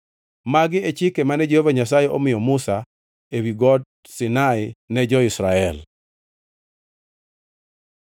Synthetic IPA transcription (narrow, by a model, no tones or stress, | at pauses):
maɡɪet͡ʃɪkemanɛd͡ʒehovaɲas̬ajeʔomɪjɔmusa | ewiɡɔd | sɪnaɪnɛd͡ʒɔɪsɾaɛl